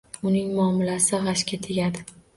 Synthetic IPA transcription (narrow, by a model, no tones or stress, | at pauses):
ʊnɪŋmʊɒmɪlasɪʁɑʃkʲat̪ʰeɡʲad̪ɪ